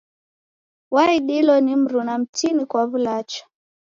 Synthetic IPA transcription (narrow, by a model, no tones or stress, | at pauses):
waiɗilɔnim̩ɾunam̩tinikwaβulat͡ʃḁ